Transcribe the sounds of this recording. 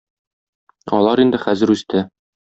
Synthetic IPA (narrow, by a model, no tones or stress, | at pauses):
ɒ̰lˠɑɾind̪ɘχæzɘ̆ɾʉst̪ɘ